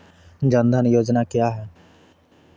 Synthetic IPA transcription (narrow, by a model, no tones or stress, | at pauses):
d͡ʒãːnd̪ʱãːnɛjoːd͡ʒnaːkɪjaːɦɛː